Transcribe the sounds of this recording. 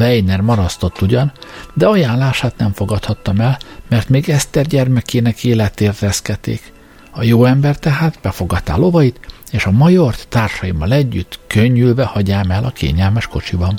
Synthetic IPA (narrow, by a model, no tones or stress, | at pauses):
vɛjnɛrmɒɾɒst̪o̞t̪ːuɟɒnd̪ɛɒjaːnlaːʃaːt̪nɛmfo̞ɡɒt̪hɒt̪ːɒmɛlmɛrt̪meːɡɛst̪ɛrɟɛrmɛkeːnɛkeːlɛt̪eːrt̪ɛskɛt̪ːḛːk | ɒjoːɛmbɛrt̪ɛɦaːt̪bɛfo̞ɡɒt̪ːa̰ːlo̞vɒjit̪eːʃɒmɒjort̪ːaːrʃɒjimːɒlɛɟːyt̪kø̞ɲːylvɛhɒɟaːmɛlʔɒkʰḛːɲɛlmɛʃko̞̰t͡ʃibɒn